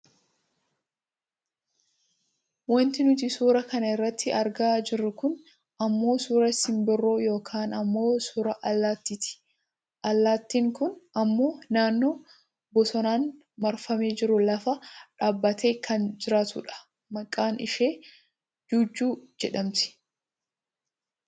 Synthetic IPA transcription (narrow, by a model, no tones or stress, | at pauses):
wɔnt̪ɪnʊt̪̬ɪsuːɾɐkɐnɐɪrːɐt̪ʰːɪɐɾɡaːd͡ʒɪɾːʊkʊn | ʔɐmːo̞ːsuːɾɐshɪmbɪrːoːjo̞ːkʰaːnɐmːo̞ːsuːɾɐʔlːaːt̪ːit̪ɪ̥ | ʔɐlːaːt̪ːiːŋkʊnɐmːo̞ːnaːnːo̞ː | bɔsɔnaːn | mɐɾfɐmeːd͡ʒɪɾʊlɐfɐᶑaːbːɐt̪ʰe̞ːkʰɐnd͡ʒɪɾaːt̪ʊ̰ᶑɐ̥ | mɐkʼːaːnɪʃeː | d͡ʒuːd͡ʒːuːd͡ʒɛᶑɐmt̪ɪ̥